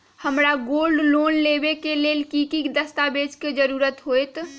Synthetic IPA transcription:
həmɾaɡoːlɖloːnlebekeleːlkikid̪əst̪abeːd͡ʒked͡ʒəɾuːɾət̪ɦoet̪

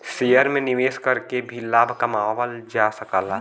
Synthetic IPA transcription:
sejəɾmẽnɪʋeːskɐɾkebʱilaːbʱkɐmaːʋəld͡ʒaːsɐkaːlaː

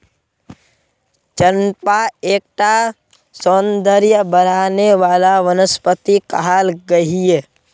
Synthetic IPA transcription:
t͡ʃənpaeːk̚ʈa | soːnd̪əɾjəbəɾaːneʋaːlaʋənəspət̪ikəɦaːlɡəɦiɛː

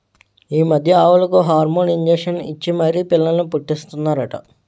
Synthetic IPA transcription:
iːmɐd̪ʱjɐaːʋulɐkuːɦaːɾmoːniɲd͡ʒeːʂɐnit͡ʃːimɐɾiːpilːɐlɐnupuʈːist̪unːaːɾɐʈɐ̰

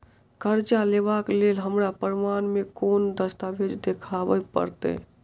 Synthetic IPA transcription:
kəɾt͡ʃaleʋaklelɦəmɾapəɾmaːnmekoːnd̪əst̪abed͡ʒd̪ekʰabəpə̰ɾt̪ḛ

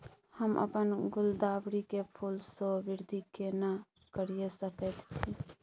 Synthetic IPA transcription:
həmʔə̰pənɡʊld̪abɾikepʰulsobiɾd̪ʱikena | kəɾijesəkət̪t͡ʃʰi

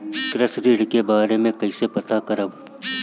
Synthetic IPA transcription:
kɾəsɾiːɽkebaːɾemẽkɐisepɐt̪akɐɾəb

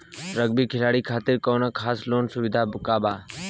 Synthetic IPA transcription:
ɾəɡ̚biːkʰɪlaːɽiːkʰaːt̪ɪɾkoːnaːkʰaːsloːnsʊʋɪd̪ʱaːbʊkaːbaː

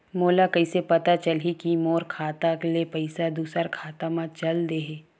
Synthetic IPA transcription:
moːlakɐɪsepɐt̪at͡ʃɐlɦikimoːɾkʰaːt̪aklepɐɪsad̪uːsəɾkʰaːt̪amãt͡ʃɐld̪eːɦeː

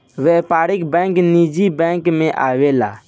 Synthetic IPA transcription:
ʋeɦpaːɾɪkbɛ̃knid͡ʒibɛ̃ːŋkmẽʔaːʋela̰ː

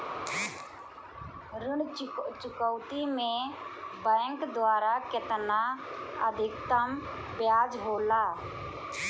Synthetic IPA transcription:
ɾɪɳt͡ʃʊkəwt̪imẽbɛːŋkd̪waːɾakɪt̪naəd̪ʱɪkt̪əm | bjaːd͡ʒɦoːlaː

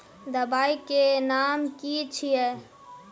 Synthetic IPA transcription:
d̪əbaːikenaːmkit͡ʃʰije

